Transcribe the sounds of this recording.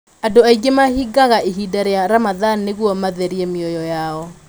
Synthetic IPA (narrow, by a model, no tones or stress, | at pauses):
adoaiɡemahiɡaɣaʔeɦidaɾeaɾamaðanneɣwɔmaðɛɾiɛmeɔjɔjaɔ